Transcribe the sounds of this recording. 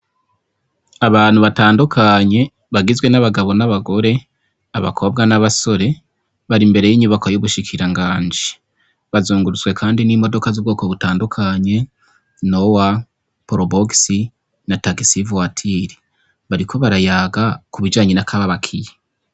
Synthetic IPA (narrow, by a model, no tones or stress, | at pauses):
aβaːn̥uβataːndukʰaɲe̞ | βaɡizɡwe̞naβaɡaβo̞naβaɡo̞ɾe̞ | aβa̰kʰo̞bɡanaβaso̞ɾe̞ | βaɾimbe̞ɾe̞jiːɲuβakojuβuʃikʰiɾaŋɡaːɲd͡ʒi | βazuːŋɡuɾut͡swe̞kʰaːndinimo̞do̞kazubɡo̞ːko̞βutaːndukʰaɲe̞ | nowa | poɾoboɡsi | nataɡisivwatʰiɾi | βaɾikʰo̞βaɾajaːɡakuβid͡ʒaːɲenakʰaβaβakʰije